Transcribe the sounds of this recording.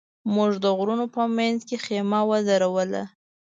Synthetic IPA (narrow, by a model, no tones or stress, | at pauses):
muʐd̪əɣɾunopəmanzkexemawəzaɾawəla̰